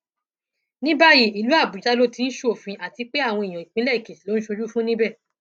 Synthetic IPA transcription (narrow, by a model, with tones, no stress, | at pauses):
nĩ˦ba˦ji˦˨i˨lu˨˦a˦˨bu˨d͡ʒa˦lo˦ti˧ñ̩˦ʃo˦o˨fĩ˧ʔa˨ti˧k͡pe˦a˦˨w̃ɔ̃˧i˨j̃ɔ̃˨i˨k͡pĩ˦lɛ˦˨i˨ke˨ti˨lo˦ñ̩˦ʃo˧d͡ʒu˦fũ˦nĩ˦bɛ˦˨